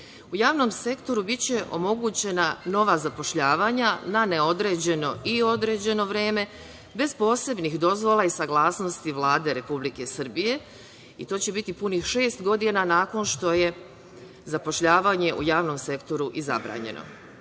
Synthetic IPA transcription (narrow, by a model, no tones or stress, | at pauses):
ujaːʋno̞mse̞kt̪o̞ɾubit͡ɕe̞ʔo̰mo̞ɡut͡ɕe̞nano̞ʋazapo̞ʃʎaːʋaːɲananeo̞d̪ɾe̞ːd͡ʑe̞no̞ʔio̞d̪ɾe̞ːd͡ʑe̞no̞ʋɾe̞ːme̞ | be̞zpo̞ːse̞bnixd̪o̞zʋolˠaisaɡlˠaːsno̞st̪iʋlaːd̪e̞ɾe̞publike̞sr̩bije̞ | it̪o̞ːt͡ɕe̞bit̪ipunixʃe̞ːst̪ɡo̞d̪inanaːko̞nʃt̪o̞je̞ | zapo̞ʃʎaːʋaɲe̞ʔṵjaːʋno̞mse̞kt̪o̞ɾuʔiza̰bɾa̰ːɲe̞̰nʔo̰